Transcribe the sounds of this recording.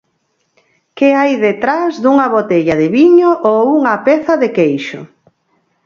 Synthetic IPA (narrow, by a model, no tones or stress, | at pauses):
kɪajðet̪ɾazðuŋɐβot̪eʎɐðɪβiɲoʔouŋɐpɛθɐðɪkejʃʊ